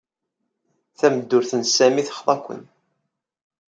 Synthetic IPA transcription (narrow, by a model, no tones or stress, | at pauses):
θæməd̪ːʊɾθənsæmiθə̥χðˤɑkʷːə̰n